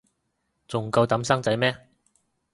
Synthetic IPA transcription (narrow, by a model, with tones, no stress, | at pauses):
t͡sʊ˨˩ŋkɐ˧wt̪ɐ˨˥msɐ˥ŋt͡sɐ˨˥jmɛː˥